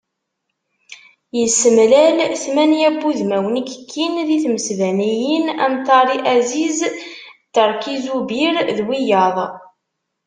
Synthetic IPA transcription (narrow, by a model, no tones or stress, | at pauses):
jəsːəmlælθmænjæbːuðmæwənikə̥kʰːinðiθməsvænijinæmt̪ˤɑɾˤiʔæzizt̪ːəɾˤkizubiɾðwijɑðˤ